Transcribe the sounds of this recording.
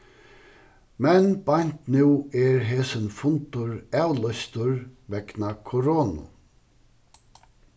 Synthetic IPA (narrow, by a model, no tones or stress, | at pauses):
mɛnbɑɲ̥t̪nʉːɛɹɦeːsənfʊnt̪ʊɹæwlœst̪ʊɹʋɛknakʰʊɾoːnʊ̰